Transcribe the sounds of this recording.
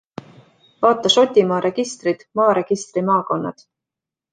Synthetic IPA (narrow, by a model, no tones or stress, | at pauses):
vɑːt̪ːˑɑso̞t̪ʲːimɑːɾe̞ɡist̪rid̪̥mɑːɾe̞ɡ̥ist̪rimɑːko̞nːɑ̰d̪̥